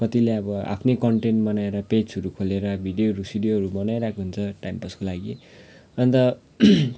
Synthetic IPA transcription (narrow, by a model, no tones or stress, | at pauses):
kʌt̪ileʌbʌa̰pʰnekʌɳʈeɳʈmʌnaeɾʌped͡zʌɾukʰoleɾʌbʱiɖjoɦʌɾusiɖijoɦʌɾumʌnajɾakʰoɦunt͡sʰʌʈajmpʌskolaɡi | ʌnit̪ʌ